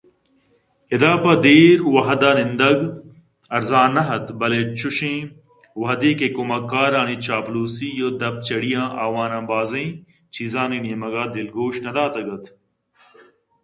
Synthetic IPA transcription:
ed̪aːpɐd̪eːɾwɐɦɐd̪aːnɪnd̪ɐɡ | ɐɾzãːnɐɦɐt̪bɐleːt͡ʃuʃẽː | wɐɦɐd̪eːkekomɐkːaːɾaːniːt͡ʃaːpluːsiːjoːd̪ɐb̚t͡ʃɐɽijãːʔaːwaːnãːbaːzɐĩ | t͡ʃizãːninijemɐɡaːd̪ɪlɡoːʃnɐd̪aːt̪ɐɡɐt̪

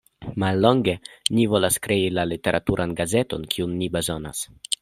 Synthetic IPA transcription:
malːo̞ŋɡe̞nivo̞laskɾe̞ilalite̞ɾʔatuɾʔanɡaze̞to̞nkʰiunːibe̞zo̞na̰s

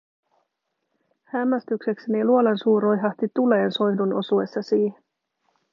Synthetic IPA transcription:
hæmːæst̪yksekseniluo̞lensuːɾo̞jɦɑht̪it̪ule̞ːnso̞jduno̞̰sue̞sːɑsiːhen

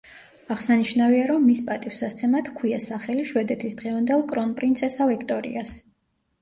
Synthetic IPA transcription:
aʁsaniʃnaviaɾɔmːispʼat̪ʼifsast̪sʰɛmat̪ʰkʰwiasaχɛliʃwɛd̪ɛt̪ʰisd̪̥ʁɛvand̪ɛlˠkʼɾɔnpʼɾint̪sʰɛsavɛkʰt̪ʼɔɾḭas

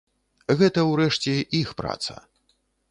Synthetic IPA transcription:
ɣɛt̪ɐwɾɛʂt͡sʲɛʔixpɾa̰t̪sɐ̰

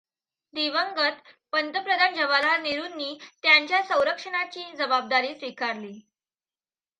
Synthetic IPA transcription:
d̪iʋəŋɡət̪ | pənt̪əpɾəd̪ʱand͡ʑəʋalaniɾunːiːt̪jaɲt͡ɕjasə̃w̃ɾəkʂəɳ̃at͡ɕiːd͡zəbab̚d̪aɾiːsʋikaɾliː

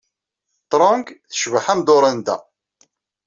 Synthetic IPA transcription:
t̪ɾˤɔŋɡθə̥ʃvəħæmd̪oɾˤənd̪æ̰

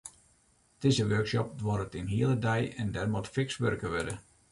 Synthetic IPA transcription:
tɪzəʋørksɔp̚dwɔɾətinɦiəlˠədɛjɛndɛrmɔtfɪksʋørkəʋødə

